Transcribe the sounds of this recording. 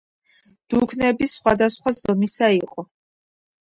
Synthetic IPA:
d̪̥ukʰnɛbisχwad̪asχwazd̪ɔmisaiqʼɔ

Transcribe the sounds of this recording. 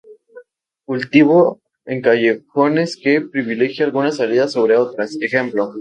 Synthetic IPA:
kult̪iβo̞ | eŋkaʝe̞xo̞ne̞skepɾiβile̞xjaalɣunasaliðasːo̞β̞ɾe̞o̞t̪ɾasexe̞mplo̞

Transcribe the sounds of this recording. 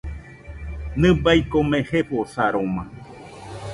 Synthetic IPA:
nɨ̃bajkomẽheposaɾomã

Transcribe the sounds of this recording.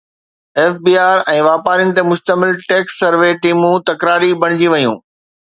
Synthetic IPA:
eːfbiːaːɾɛ̃ːʋaːpaːɾiʊnɪ̆t̪emʊʃt̪əmɪlʈeːksːɐɾʋeʈiːmũt̪ɐkɾaːɾibɐɽ̃ɪd͡ʑiʋɐjũː

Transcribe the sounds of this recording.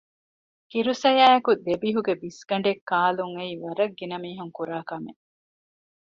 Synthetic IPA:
kiɾusɐjaːɐkud̪ebiɦuɡebisɡ̥ɐɳ̆ɖekːaːluŋeiʋɐɾɐɡːinɐmiːɦuŋkuɾaːkɐme

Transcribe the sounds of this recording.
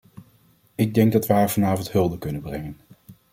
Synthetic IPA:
ɪɡ̚dɛŋɡ̚dɑtʋəɦaːɹvɑnaːvəntɦɵlˠdəkɵnənbrɛŋən

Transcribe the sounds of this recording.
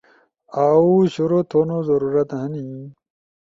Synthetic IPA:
aːuɕuɾot̪ʰoːnozɐɾuːɾɐt̪ɦɐni

